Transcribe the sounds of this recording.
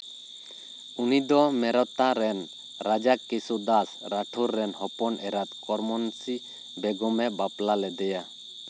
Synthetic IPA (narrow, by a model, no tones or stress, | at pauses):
unid̪ɔmɛɾɔt̪aɾɛn | ɾad͡ʒakisud̪asɾaʈʰuɾːɛnhɔpɔnʔɛɾat̪kɔɾmɔnsi | bɛɡɔmɛbaplalɛd̪ɛja